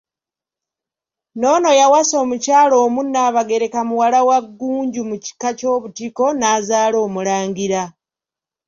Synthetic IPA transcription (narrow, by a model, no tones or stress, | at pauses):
no̞ːno̞jawaso̞ːmucaːlo̞ːmunːaːβaɡe̞ɾe̞kamuwalawaɡːuːɲɟumuci̥kaco̞ːβutiko̞naːzaːlo̞ːmulaːŋɡiɾa